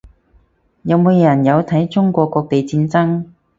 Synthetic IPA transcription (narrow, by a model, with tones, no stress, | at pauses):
jɐ˨˧wmoː˨˧wjɐ˨˩njɐ˨˧wt̪ʰɐ˨˥jt͡sʊ˥ŋkʷɔː˧kːɔː˧k̚t̪e˨jt͡siː˧nt͡sɐ˥ŋ